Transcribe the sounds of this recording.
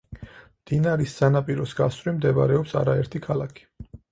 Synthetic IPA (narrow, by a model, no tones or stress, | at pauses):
md̪̥inaɾisːanapʼiɾɔsɡ̥asɾimd̪ɛba̰ɾɛɔpsa̰ɾaɛɾt̪ʰikʰalˠakʰi̥